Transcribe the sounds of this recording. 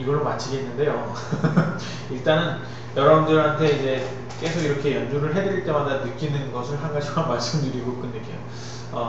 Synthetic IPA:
iɡʌɭːomat͡ɕʰiɡe̞nːɯnde̞jo | iɭt͈anɯn | jʌɾʌbundɯɾɦantʰe̞id͡ʑe̞ | k͈e̞sʰoɡiɾʌkʰe̞jʌnd͡ʑuɾɯɭɦe̞dɯɾiɭt͈e̞madanɯk͈inɯnɡʌsʰɯɭɦaŋɡad͡ʑʰikamaɭs͈ɯmdɯɾiɡok͈ɯnːɯɡejo | ʌ

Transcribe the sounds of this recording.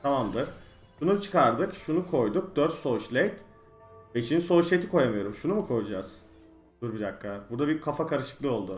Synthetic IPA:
t̪ʰamamd̪ɯɾ̥ | ʃunut͡ʃʰɯ̥kaɾd̪ɯkʃunukʰo̞jd̪uk̚d̪øɾt̪so̞ut͡ʃlʲejt̪ | veit͡ʃʰiniso̞uʃlʲejt̪ʰikʰo̞jamɯjo̞ɾumʃunumukʰo̞jud͡ʒaz̥ | d̪̥uɾbid̪akːabuɾd̪abikʰafakʰaɾɯʃɯ̥klˠɯo̞lˠd̪u

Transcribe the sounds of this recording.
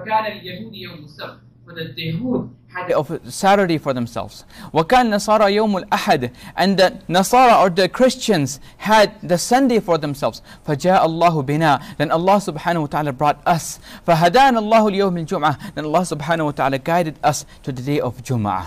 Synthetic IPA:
kaːnaljahuːd̪jawmɪsabt | mɪnat̪ːaɦuːd̪̚ | haɔvsæɾə˞ɾefɔ˞ðɛ̃msɛ̰lvz̥wɐkaːnnːɑsˤɑːɾˤɑjoʊmalʔaħad̪ʔɨ̃nðɨnɑsˤɑːɾˤɑə˞ðɨkʰɹ̥ɪst͡ʃɨ̃nzhæd̪̚ðɨsʌ̃ndeɪfəɹðɛ̃msɛlˠvz̥ | fad͡ʒaːʔalˤːɑːɦʊbɪnaðɛ̃nɑlˤːɑsʊbħaːnahuwat̪aʕaːlabɹɔtʌsfaɦad̪analˠˤːɑːhljoʊmd͡ʒʊmʕaðɛ̃nɑlˤːɑːsʊbħaːnahuwat̪aʕaːlaɡaɪdɨdʌstʰɨðɨdeɪʔɔvd͡ʒʊm̰ʕa̰

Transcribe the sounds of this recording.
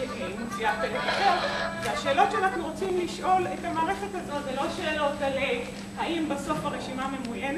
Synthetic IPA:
eimisiatelekatoveaʃe̞ːlo̞tʃeanaχnuʁo̞t͡simliʃʔo̞lethamaːʁeχe̞tazo̞tzelo̞ʃeːlo̞talev | haʔimbeso̞faʁeʃimame̞mujen

